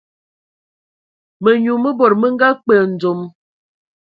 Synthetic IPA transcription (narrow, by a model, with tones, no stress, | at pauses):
mə˨ɲu˨mə˦bo˨ɾmə˦ŋ˦ɡa˦k͡pə˨n̩˨d͡zo˨m